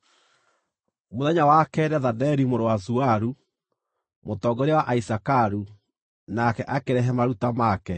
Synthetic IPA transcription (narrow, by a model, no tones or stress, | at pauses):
moðɛɲawakɛɾɛðadɛɾimoɾowazuaɾu | motɔɡɔɾɛwaʔaisakaɾu | nakɛʔakeɾɛɦɛmaɾutamakɛ